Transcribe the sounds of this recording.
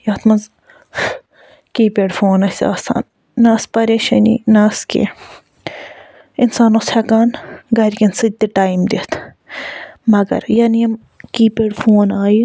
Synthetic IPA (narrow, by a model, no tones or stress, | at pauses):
jaːt̪ʰmɐnz | kiːpeɖfʰoːnɐsa̰ːsa̰ːnː | aːspɐɾeːʃɐ̰nḭnaːskḛ | insaːnoshɐkaːnɡɐɾʲkɐnsɨd̪iʈaːimd̪et̪ʰ | mɐɡɐ̰ɾjɐːnijɐm | kiːpeːɖfʰoːnaːji